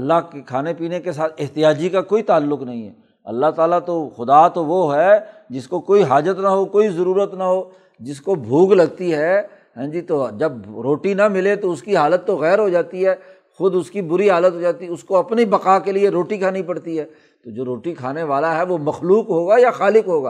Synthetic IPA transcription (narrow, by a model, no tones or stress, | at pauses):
ɐlːaɦkekʰaːnepiːnekes̬aːt̪ʰɪɦt̪ɪjaːd͡ʒikakoːit̪aːlːʊknɐɦĩɦɛ̰ | ɐ̰lːaɦt̪aːlat̪oxʊd̪at̪oʋoɦɛd͡ʒɪskokoːiɦaːd͡ʒət̪naɦokoːizɐɾuːɾət̪naɦoː | d͡ʒɪskobʱuːɡlɐɡ̚t̪iɦɛ | ɦɛ̃ːd͡ʒit̪od͡ʒɐb̚ɾoːʈinɐmɪlet̪oʊskiɦaːlət̪ːoɣɛːɾɦod͡ʒaːt̪iɦɛː | xʊd̪ʊskibʊɾiɦaːlət̪ɦod͡ʒaːt̪iʊskoɐpnibɐqaːkelieɾoːʈikʰaːnipɐɽt̪iɦɛː | t̪od͡ʒoːɾoːʈikʰaːneʋaːlaɦɛʋomɐxluːqɦoːɡajaxaːlɪkɦoːɡaː